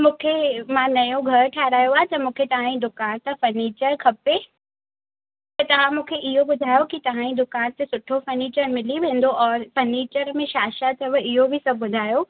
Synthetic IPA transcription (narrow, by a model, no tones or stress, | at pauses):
mũːkʰemãnɐjõɡʱɐɾʈʰaːɦɾaːjoaːɦet̪ɐmũːkʰet̪ɐʋ̤ãĩd̪ʊkaːnt̪ɐfɐɾniːt͡ɕəɾkʰɐpe | t̪ɐt̪ɐʋ̤ãmũːkʰeʔɪɦobʊd̪ʱaːjokit̪ɐʋ̤ãːĩd̪ʊkaːnt̪esʊʈʰofɐɾniːt͡ɕəɾmɪliʋẽːnd̪oʔɔːɾfɐɾniːt͡ɕəɾmẽʃaːʃat̪ʰɐʋəɪɦobʱɪsɐbʱbʊd̪ʱaːjo